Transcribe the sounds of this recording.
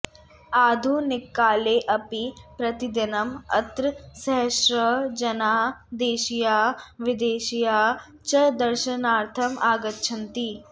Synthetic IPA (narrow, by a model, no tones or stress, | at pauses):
aːd̪ʱunɪkːaːleːʔɐpipɾɐt̪ɪd̪ɪnɐmɐ̰t̪ɾəsɐɦʃɾəd͡ʒɐnaːd̪eːʃijaːʋɪd̪eːʃijaː | t͡ʃɐd̪ɐɾʃɐnaːɾt̪ʰɐmaːɡət̪t͡ʃʰɐ̃nt̪i